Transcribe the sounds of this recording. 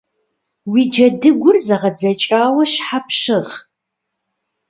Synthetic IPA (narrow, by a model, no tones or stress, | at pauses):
wid͡ʒɐdɨɡʷʊrzɐʁɐd͡zɐt͡ʃʼaːwɐɕħapʰɕɨʁ